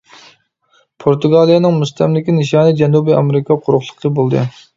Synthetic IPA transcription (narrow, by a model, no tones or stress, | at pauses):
pʰoɾt̪uɡɑːlˠijɑnɨŋmust̪ʰɛmlɪkʲinɨʃɑːnɨd͡ʒɛnubɨɑ̰meɾɨkʰɑqʰʊɾʊχlˠə̥qʰːəbolˠd̪ɨ̰